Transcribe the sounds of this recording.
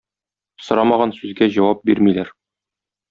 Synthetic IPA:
sŏɾɑmɑʁɑnsʉzɡæʑɒwɑp̚biɾmilæɾ

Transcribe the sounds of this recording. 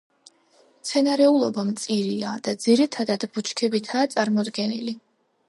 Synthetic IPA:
mt̪sʰɛnaɾɛulˠɔbamt̪sʼiɾiad̪̥ad̪ziɾit̪ʰad̪ad̪but͡ʃʰkʰɛbit̪ʰaːt̪sʼaɾmɔd̪ɡɛnili

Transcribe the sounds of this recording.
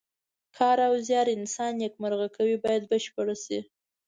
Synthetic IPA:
kʰɑɾawzjɑɾɪnsɑnjakmaɾɣakawibɑjad̪̚bəʃpəɽasi

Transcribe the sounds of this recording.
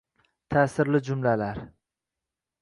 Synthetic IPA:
t̪ʰaːsɪɾlɪd͡ʒʊmlalaɾ

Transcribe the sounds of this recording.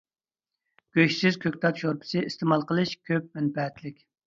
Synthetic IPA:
ɡ̥ʲøʃsɪzkʲʰøkʲt̪ʰɑt̪ʃoɾpʰɪ̥sɨʔist̪ʰemɑlˠqəlˠɨʃkʲʰøp̚mɛnpɛt̪lɪkʲ

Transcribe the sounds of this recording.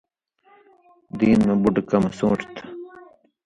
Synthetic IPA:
d̪iːnmebuɖkɐmɐsõːʈt̪ʰ

